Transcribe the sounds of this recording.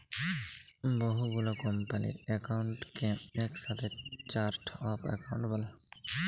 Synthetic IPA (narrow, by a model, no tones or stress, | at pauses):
bɔɦubulɔkɔmpalḭɛkawɳʈkɛ̃ɛksat̪ʰɛt͡ʃaɾʈʰɔpʰɛ̰kawɳʈbala